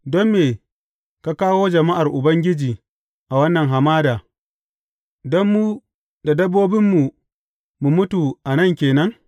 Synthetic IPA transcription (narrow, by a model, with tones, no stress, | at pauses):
dɔ˦mːeː˨ | ka˦kaː˦woː˦d͡ʒɐ˨ma˦ʔa˨rʔʊ˨bɐ˦ŋɡʲɪ˦d͡ʒiː˨ | ʔa˨wɐ˦nːɐ˨ŋɦa˨maː˦daː˨ | dɔ˦mːu˦ | da˨dɐ˦bːoː˦bɪ˦mːu˨ | mu˨mʊ˦tu˨ʔa˨nɐ˦ŋkʲeː˨nɐ˦ŋ